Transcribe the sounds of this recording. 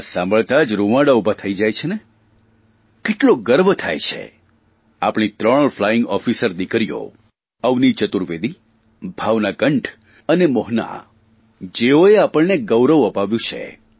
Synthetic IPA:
sãmbəɭt̪ad͡ʒɾumaɽaubʱat̪ʰəid͡ʒajt͡ʃʰene | keʈloɡəɾbət̪ʰa̰jt͡ʃʰḛ | a̰pɽ̃it̪ɾəɽ̃əɭflaɪ̃ŋɡɔfisəɾd̪ikɾijo̰ | əʋnit͡ʃət̪uɾʋed̪i | bʱaʋnaɡəɳʈʰ | ənemɔɦna̰ | d͡ʒeoeapəɭneɡəwɾəʋəpaʋjũt͡ʃʰḛ

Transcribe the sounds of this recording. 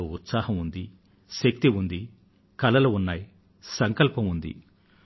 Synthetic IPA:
oːut̪saːhɐmund̪i | ʃɐk̚t̪iund̪i | kɐlɐlɐunːaːji | sɐŋkɐlpɐmund̪ḭ

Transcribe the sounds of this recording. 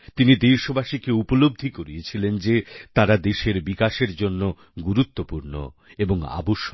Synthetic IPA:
t̪inid̪ejʃobaʃikeupolob̚d̪ʱikoɾiet͡ɕʰilend͡ʑet̪aɾad̪eʃeɾbikaʃeɾd͡ʑonːo | ɡuɾut̪ːopuɾno̰eboŋa̰boʃ

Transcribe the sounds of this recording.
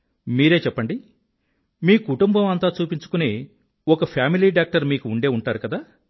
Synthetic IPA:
miːɾeːt͡ʃɛpːɐɳɖi | miːkuʈumbɐmɐnt̪aːt͡ʃuːpiɲt͡ʃu̥kuneː | ɔkɐpʰjaːmiliːɖaːk̚ʈɐɾmiːkuːɳɖe̞ːuɳʈaːɾukɐd̪aː

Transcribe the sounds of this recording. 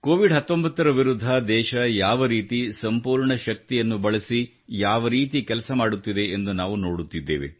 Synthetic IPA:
koːʋiɖɦɐt̪ːo̞mbɐt̪ːɐɾɐʋiɾud̪ʱːɐd̪ɛːʃɐjaːʋɐɾiːt̪isɐmpuːɾɳɐʃɐk̚t̪ijɐnːubɐɭɐsi | jaːʋɐɾiːt̪̬ikɛlɐsɐmaːɽut̪ːid̪e̞end̪unaːʋuno̞ːɽut̪ːid̪ːḛːʋḛ

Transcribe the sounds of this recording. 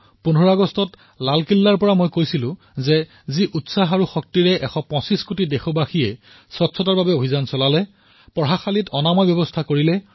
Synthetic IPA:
punʱɔɹaɡɔstɔt | lalkilːaɹpɔɹamojkojsilʊ̃ | zɛ | ziʔutsaɦaɹuxɔk̚tiɹɛʔɛxʰɔpɔ̃siskutidexɔbaxiɛ | sɔtsʰɔtaɹbabɛobʱizansɔlalɛ | pɔɦaxalitɔnamajbjɔbɔstʰakoɹilɛ

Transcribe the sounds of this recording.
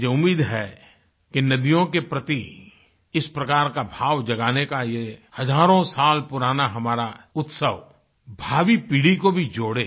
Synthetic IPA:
jeʊmːiːd̪ɦɛ | kenɐd̪ijõkepɾət̪i | ɪspɾɐkaːɾkabʱaːʋd͡ʒɐɡaːnekajehɐzaːɾõsaːlpʊɾaːnaɦɐmaːɾaʊt̪səʋ | bʱaːʋipiːɽikobʱid͡ʒoːɽeː

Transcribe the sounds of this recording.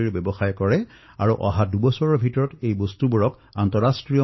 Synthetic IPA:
iɹbɛbɔxajkɔɹɛ | aɹuʔɔɦadubɔsɔɹɔɹbʱitɔɹɔtejbɔstubuɹɔk | antɔɹastɹijɔ

